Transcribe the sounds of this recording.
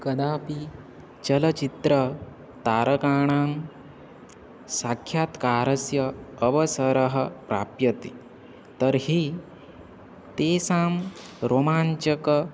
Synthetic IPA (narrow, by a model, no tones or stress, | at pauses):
kɐd̪aːpi | t͡ʃɐlɐt͡ʃit̪ɾɐ | t̪aːɾɐkaːɳaːm | sakʰːjaːt̪kaːɾɐsjɐːʋɐsɐɾɐɦɐpɾa̰ːpjɐt̪i | t̪ɐɾɦi | t̪eːsaːm | ɾomaːɲt͡ʃɐkɐ